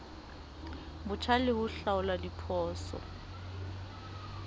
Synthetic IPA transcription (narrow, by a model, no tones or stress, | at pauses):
bʊt͡ʃʰalɪhʊɬaʊladipʰɔːsɔ̰